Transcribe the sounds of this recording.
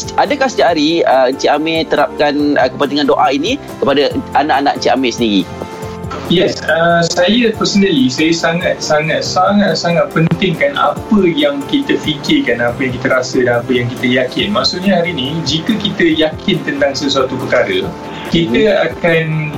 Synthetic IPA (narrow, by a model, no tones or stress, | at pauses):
sʔadəkasd͡ʒaʔaɾiəəɲt͡ʃiamẽt̪əɾap̚kanəkəpənt̪iŋãndoʔaini | kəpadaanãʔanaʔənt͡ʃiʔa̰mẽsəndiɾḭ | jɛsəsajəpəsənəlisajəsaŋat̪̚saŋat̪̚saŋat̪̚saŋat̪̚pənt̪ɪŋkana̰pəjaŋkit̪əfikɪrkanapəjaŋkit̪əɾasədanapəjaŋkit̪əjakɪnmaʔsuʔɲaɦaɾinĩd͡ʒikəkit̪əjakʰɪnt̪ənt̪aŋsəsuat̪upəkaɾə | kit̪əakan